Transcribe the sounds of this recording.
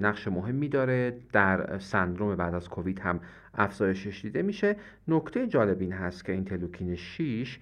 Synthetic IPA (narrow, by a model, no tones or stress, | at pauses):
næɣʃemoɦe̞mːid̪ɒːɾed̪̥æɾsænd̪ɾome̞bæːd̪æzkʰovid̪hæm | ʔæfz̥ɒːje̞ʃeʃd̪iːd̪e̞miːʃe̞ | nokt̪ʰe̞jed͡ʒɒːle̞biːnɦæst̪cʰeiːnt̪ʰe̞lukʰiːneʃiʃ